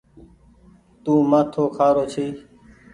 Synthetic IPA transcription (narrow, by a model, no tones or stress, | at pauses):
t̪ũːmaːt̪ʰoːkʰaːɾoːt͡ʃʰiː